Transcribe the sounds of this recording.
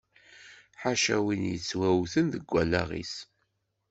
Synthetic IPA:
ħaʃæwinjə̰t͡sːwæwθənðəɡʷːælːæʁḭs

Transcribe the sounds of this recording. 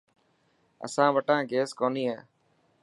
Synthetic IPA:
ə̰sãːʋəʈãːɡeːskoːniːɦẽː

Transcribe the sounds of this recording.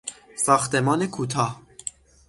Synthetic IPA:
sɑxt̪ɛmɑːnekʰut̪ʰɑ

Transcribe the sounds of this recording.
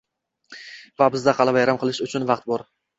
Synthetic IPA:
vabɪzd̪aqʰɑlˠavajɾamqʰɨlˠɪʃʊt͡ʃʰʊnvɑqt̪̚bɒɾ

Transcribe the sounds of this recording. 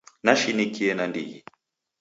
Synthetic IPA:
naʃinikiɛnandḭi

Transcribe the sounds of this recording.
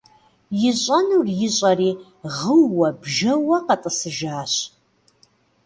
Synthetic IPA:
jɪɕʷʼanurjɪɕʷʼariː | ʁəwːɐbʒɐwɐqatʼɨsɨʒaːɕ

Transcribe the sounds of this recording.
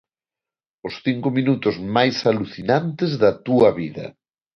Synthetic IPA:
ʊsθiŋkominut̪ʊzmajsaluθinant̪ezðɐt̪uɐβiðɐ̰

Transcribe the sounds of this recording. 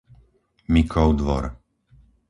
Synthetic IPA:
mikʰɔʊd̪ʋɔ̰ɾ

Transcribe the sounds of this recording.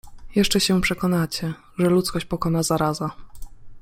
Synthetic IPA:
jɛʂt͡ʂɛɕɛpʂɛkɔnat͡ɕɛ | ʐɛlut̪skɔɕt͡ɕpɔkɔnazaɾaza

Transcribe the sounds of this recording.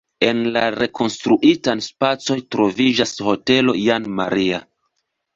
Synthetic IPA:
e̞nlaɾe̞kʰo̞nstɾuʔitanspat͡so̞jtɾo̞vid͡ʒasho̞te̞lo̞̰janmaɾia

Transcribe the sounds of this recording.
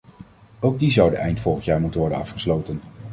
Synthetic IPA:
owɡ̚dizʌwdəʔɛjntfɔlˠχəntjaːɹmutənʋɔɹdə̰nɑ̰fχəslowtən

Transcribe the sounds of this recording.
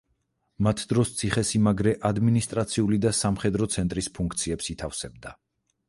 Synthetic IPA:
mat̪ʰd̪ɾɔst̪sʰiχɛsimaɡɾɛʔad̪minist̪ʼɾat̪sʰiulid̪asamχɛd̪ɾɔt̪sʰɛnt̪ʼɾispʰuŋkʰt̪sʰiɛpsit̪ʰafsɛb̚d̪a

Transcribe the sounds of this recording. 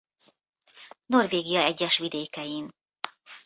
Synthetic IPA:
no̞rveːɡijɒɛɟːɛʃʋid̪eːkɛjin

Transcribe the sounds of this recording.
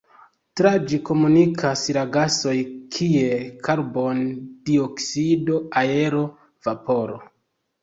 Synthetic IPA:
tɾad͡ʒiko̞munikʰasɾaɡaso̞jkʰie̞kʰaɾbo̞nd̥ioksido̞ae̞ɾo̞ | v̥apo̞ɾo

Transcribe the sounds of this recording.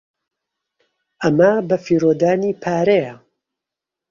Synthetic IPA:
ʔɐmɐbɐfiːɾoːd̪aːniːpʰaːɾejɐ

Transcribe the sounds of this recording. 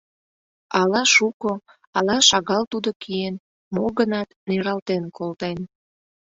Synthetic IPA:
ɑlɑʃuko | ɑlɑʃɑɣɑlt̪ud̪okʰien | moɣənɑt̪neɾɑlt̪enkʰolt̪en

